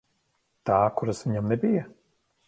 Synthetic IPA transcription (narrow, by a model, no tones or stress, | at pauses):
t̪aːkuɾasviɲamnebija